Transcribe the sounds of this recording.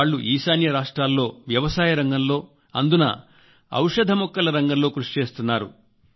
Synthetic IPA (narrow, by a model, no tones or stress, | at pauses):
ɭːuʔiːsaːnjɐɾaːʂʈɾaːlːo̞ːʋjɐʋɐsaːjɐɾɐŋɡɐmlo̞ː | ɐnd̪unɐ̰ | ɐ̰wʂɐd̪ʱɐmɔkːɐlɐɾɐŋɡɐmlo̞ːkɾuʂi̥t͡ʃe̞ːst̪unːaːɾṵ